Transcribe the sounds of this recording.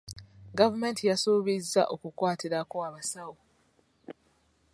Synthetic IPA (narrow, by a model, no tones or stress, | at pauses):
ɡavume̞ntijasuːβizːa̰ʔo̞kukwaːtiɾakoaβasawo